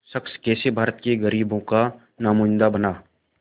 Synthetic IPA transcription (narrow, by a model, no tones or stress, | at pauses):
səkskɛːsebʱaːɾət̪keɡəɾiːbõka | naːmuːnd̪abənaː